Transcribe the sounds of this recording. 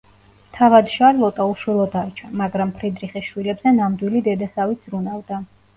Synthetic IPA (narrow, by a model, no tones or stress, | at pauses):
t̪ʰavad̪ʃaɾlˠɔt̪ʼauʃwɛlˠɔd̪aɾt͡ʃʰamaɡɾampʰɾid̪ɾiχisʃwilɛbz̥ɛnamd̪wilid̪ɛd̪asavit̪sɾunavd̪a